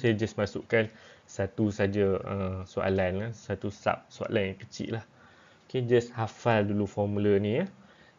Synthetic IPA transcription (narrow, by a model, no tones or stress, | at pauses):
sajad͡ʒasmasuʔkansat̪usad͡ʒaəsua̰lanlasat̪usa̰p̚sua̰lanakət͡ʃḭʔlah | oked͡ʒashafaldulufɔmũlənĩa